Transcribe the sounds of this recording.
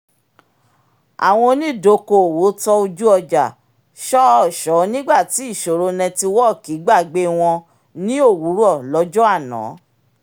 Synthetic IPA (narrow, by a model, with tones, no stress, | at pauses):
a̰˨w̃ɔ̃˧nĩ˦˨do˨˦ko˨wo˨˦tɔ˦o˧d͡ʒu˦ɔ˧d͡ʒa˨ | ʃɔ˦ɔ˦˨ʃɔ˨˦nĩ˦ɡ͡ba˦˨ti˨˦i˦˨ʃo˨ɾo˧nɛ̃˧ti˧wɔ˦˨ki˨˦ɡ͡ba˦˨ɡ͡be˧˦w̃ɔ̃˧ | nĩ˦o˦˨wu˨˦ɾu˦ɔ˦˨lɔ˨˦d͡ʒɔ˦a˦˨nã̰˨˦